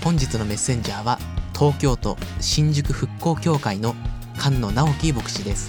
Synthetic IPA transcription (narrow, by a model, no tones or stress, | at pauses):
hõ̞ɲ̟d͡ʑit͡sɨno̞me̞sːẽ̞ɲ̟d͡ʑaːβa | t̪ʰo̞ːkʲo̞ːt̪o̞̰ɕĩɲd͡ʑɨkɯ̟ɸɯ̟kːo̞ːkʲo̞ːkaino̞ | kʰãnːo̞nao̞kʲibo̞kɯ̟̥ɕid̪e̞sɨ̥